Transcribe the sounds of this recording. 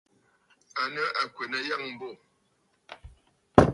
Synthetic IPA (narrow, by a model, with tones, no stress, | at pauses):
a˨nə˦ʔa˨kwe˨nə˨ja˦˨ŋm̩˨bo˦˨